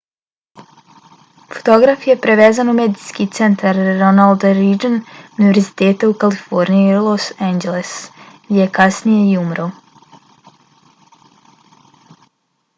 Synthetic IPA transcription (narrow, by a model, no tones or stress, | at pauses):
fo̥t̪o̞ɡɾafjepɾeʋeːzanumeːd̪iskit̪se̞nt̪ʰaɾːo̞nald̪ɾid͡ʒənuniʋeɾzit̪eːt̪aukalifoɾniilˠosend͡ʒelesɡd̪ʲijekasnije̞iumɾaw